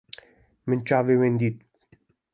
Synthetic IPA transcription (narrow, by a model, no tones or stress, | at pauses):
mənt͡ʃavewend̪it̪